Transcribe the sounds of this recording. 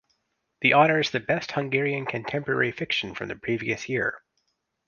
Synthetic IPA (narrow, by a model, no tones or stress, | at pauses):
ðiʔɔɾə˞ɨz̥ðɨbɛst̚hʌ̃ŋɡɛɹiɨ̃nkʰɨ̃ntʰɛ̃mpə˞ɛ̰ɹifɪkʃn̩fɹʌ̃mðɨpʰɹ̥iviɨsjɪɹ